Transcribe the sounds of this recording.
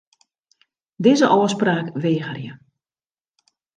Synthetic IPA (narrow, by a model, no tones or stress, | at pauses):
dɪzəʔɔːspraːkʋeːɣərjə